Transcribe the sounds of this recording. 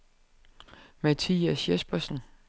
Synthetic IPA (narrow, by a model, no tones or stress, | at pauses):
mæt͡sʰḭːæsjesb̥ɐsn̩